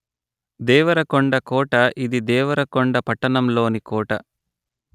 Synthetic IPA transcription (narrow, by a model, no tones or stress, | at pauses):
d̪ɛːʋɐɾɐkoɳɖɐkɔːʈɐʔid̪id̪ɛːʋɐɾɐkoɳɖɐpɐʈːɐnɐmlo̞ːnikɔːʈɐ